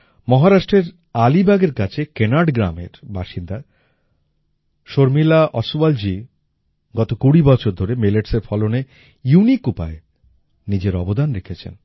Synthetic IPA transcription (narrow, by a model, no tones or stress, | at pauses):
mɔɦaɾaʃʈɾeɾ | alibʱaɡeɾkat͡ɕʰekenaɖɡɾa̰mḛɾbaʃind̪a | ʃoɾmilaʔɔsuald͡ʑi | ɡɔt̪okuɽibɔt͡ɕʰoɾd̪ʱoɾemeleʈseɾfɔlone | junikupa̰e | nid͡ʑeɾɔbod̪anɾekʰet͡ɕʰḛn